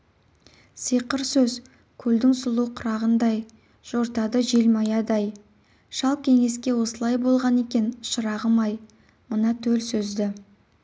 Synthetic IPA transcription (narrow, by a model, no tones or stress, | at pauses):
sijqəɾsɵz | kʲʰɵld̪ɪŋsʊlˠuqʰʊɾɑʁənd̪ɑj | ʒ̥oɾt̪ɑd̪əʒelmɑjɑd̪ɑj | ʃɑlˠp̚kʲʰe̞ŋe̞skʲe̞wo̞səlˠɑjbo̞lˠʁɑne̞kʲe̞nʃəɾɑʁəmɑj | mənɑt̪ʰɵlsɵzd̪ɪ